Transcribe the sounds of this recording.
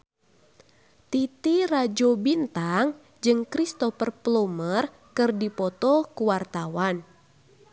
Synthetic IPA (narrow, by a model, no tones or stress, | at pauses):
t̪it̪irad͡ʒɔbint̪aŋ | d͡ʒɨŋkɾist̪ɔfərplomər | kɨrdipɔt̪ɔkuwart̪awan